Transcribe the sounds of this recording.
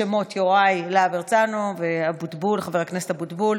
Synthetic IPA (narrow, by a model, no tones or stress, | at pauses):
emo̞t̪joʁajlaabeʁt͡sanoveabudbulχaveʁaknese̥t̪abud̪bul